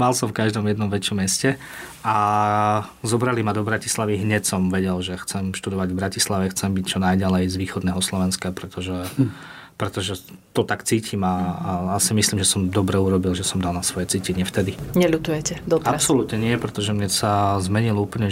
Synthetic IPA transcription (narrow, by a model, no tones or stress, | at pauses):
malsɔmfkaʒd̪ɔmjɛd̪nɔmʋɛt͡ʃɔmːjɛscɛa | zɔbɾalimad̪ɔbɾaci̥slaʋiɦɲɛcsɔmʋɛɟɛlʒɛxt͡sɛmʃt̪ud̪ɔʋaɟvbɾacislaʋɛxt͡sɛmbict͡ʃɔnajɟalɛjzʋiːxɔd̪nɛːɦɔslɔʋɛnskapɾɛt̪ɔʒɛ | pɾɛt̪ɔʒɛt̪ɔt̪akt͡siːcʰimaasimisliːmʒɛsɔmd̪ɔbɾɛuɾɔbilʒɛsɔmd̪alnasʋɔjɛt͡siːcɛɲɪɛft̪ɛd̪iɲɛlut̪ujɛcɛd̪ɔt̪aɾapsɔlut̪ɲɛnɪɛpɾɛt̪ɔʒɛmɲɛsazmɛɲiluːpl̩ɲɛ